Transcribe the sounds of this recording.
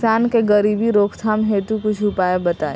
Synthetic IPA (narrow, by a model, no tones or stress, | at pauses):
saːnkeɡəɾiːbiɾoːkʰt̪ʰaːmɦeːt̪ukʊt͡ʃʰupaːebɐt̪aːe